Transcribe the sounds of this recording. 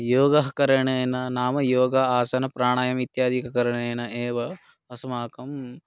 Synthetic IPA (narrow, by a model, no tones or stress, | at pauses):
joːɡɐɦɐkɐɾɐɳeːjnɐnaːmɐjoːɡɐaːsɐnɐpɾaːɳ̃aːjɐmit̪jaːd̪ʱikɐkɐɾɐɳeːnɐʔeːʋɐ | ɐsɐmaːkɐm